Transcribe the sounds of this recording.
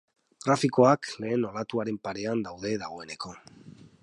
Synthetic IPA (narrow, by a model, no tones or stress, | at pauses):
ɡɾafiko̞akle̞ːno̞lat̪uaɾe̞mpaɾe̞and̪awðe̞ðaɣ̞o̞ene̞ko̞